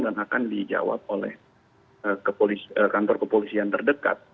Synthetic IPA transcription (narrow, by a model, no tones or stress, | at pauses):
danakandid͡ʒa̰wa̰p̚olɛ̰h | əkəpolisəkant̪ɔrkəpolisiant̪ərdəka̰t̪̚